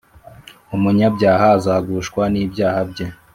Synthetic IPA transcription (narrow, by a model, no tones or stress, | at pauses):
umuɲabɟaːɦaːzaːɡuʃkwaniːbɟaːhabɟe